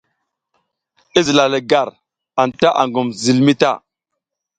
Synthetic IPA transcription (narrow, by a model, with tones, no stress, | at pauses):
i˦zi˨la˨lə˨ɡa˦˨ɾ | a˨nta˦ʔa̰˨ŋɡu˨mzi˨lmi˦ta̰˦˨